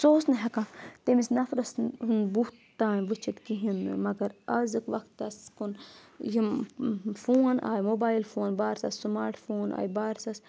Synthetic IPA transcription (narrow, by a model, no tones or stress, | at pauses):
soːsnɦɐkãːt̪emisnɐfɾɐsunbu | t̪aːnʋɨt͡ʃʰit̪kiɦin̰mɐɡɐɾɐzɨkʋɐkt̪ːɐskunji | foːna̰ːjmoːbaːilfoːnbaːɾsɐsmaːɾʈfoːna̰ːjbaːɾsɐs